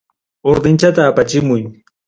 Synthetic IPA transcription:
oɾd̪ɪnt͡ʃat̪aːpat͡ʃɪmʊj

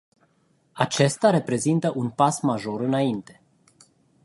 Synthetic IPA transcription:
at͡ʃe̞st̪aɾe̞pɾe̞zint̪əʔunpasmaʒo̞ɾɨnaint̪e̞

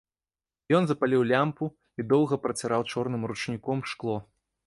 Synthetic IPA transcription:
jɔnzɐpalʲiwlʲampu | id̪ɔwˠɣɐpɾɐt͡sʲaɾawt͡ʂɔrnɨmrut͡ʂnʲikɔmʂklˠɔ

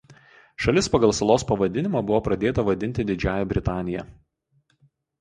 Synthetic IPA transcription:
ʃɐlʲɪspɐɡɐlˠsɐlˠoːspɐʋɐd̪ʲɪnʲɪmɑbʊʋoːpɾɐd̪ʲeːt̪ɐʋɐd̪ʲɪnʲt̪ʲɪd̪ʲɪd͡ʒʲæːjɛbʲɾʲɪt̪ɑːnʲɪjɛ̰

